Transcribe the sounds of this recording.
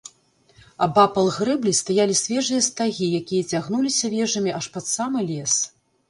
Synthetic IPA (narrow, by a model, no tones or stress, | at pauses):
ɐbapɐlˠɣɾɨblʲist̪ajalʲisʲvʲɛʐɨjɐst̪aɣʲijakʲijɐt͡sʲaɣnulʲisʲɐvʲɛʐɐmʲiaʂpat̪samɨlʲɛs